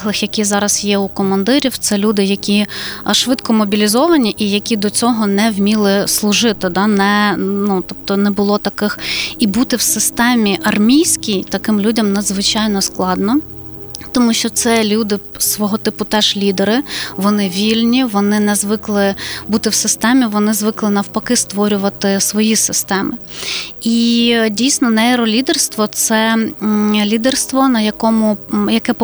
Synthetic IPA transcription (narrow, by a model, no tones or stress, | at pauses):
lˠɪxjɐkʲizɑɾɐsjɛukɔmɐnd̪ɪɾʲiwt̪sɛlʲud̪ɪjɐkʲiʃʋɪt̪kɔmɔbʲilʲizɔʋɐnʲiʔijɐkʲid̪ɔt͡sʲɔɦɔnɛwmʲilˠɪslˠʊʒɪt̪ɪd̪ɑnɛnut̪ɔp̚t̪ɔnɛbʊlˠɔt̪ɐkɪxibut̪ɪwsɪst̪ɛmʲiʔɐrmʲijsʲkʲijt̪ɐkɪmlʲudʲɐmnɐd̪zʋɪt͡ʃɑjnɔsklˠɑd̪nɔ | t̪ɔmuʃt͡ʃɔt̪sɛlʲud̪ɪsʋɔɦɔt̪ɪpʊt̪ɛʒ̥lʲid̪eɾɪʋɔnɪʋʲilʲnʲiʋɔnɪnɛzʋɪklˠɪbut̪ɪwsɪst̪ɛmʲiʋɔnɪzʋɪklˠɪnɐwpɐkɪst̪ʋɔɾʲʊʋɐt̪ɪsʋɔjisɪst̪ɛmɪidʲijsʲnɔnɛɛɾɔlʲid̪erst̪ʋɔt̪sɛ | lʲid̪erst̪ʋɔnɐjɐkɔmʊjɐkɛp